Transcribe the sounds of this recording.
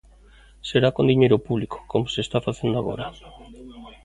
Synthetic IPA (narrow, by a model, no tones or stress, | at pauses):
seɾakond̪iɲejɾopuβliko̥komoseːst̪afaθend̪oaɣo̰ɾa